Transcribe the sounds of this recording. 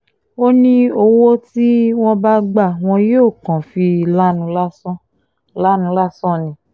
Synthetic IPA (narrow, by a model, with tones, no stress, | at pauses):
o˦nĩ˦o˧wo˦ti˦w̃ɔ̃˧ba˦ɡ͡ba˦˨w̃ɔ̃˧joː˦˨kã˨fi˧la˦nũ˧˦la˦sɔ̃˦ | la˦nũ˧˦la˦sɔ̃˦˨nĩ˨˦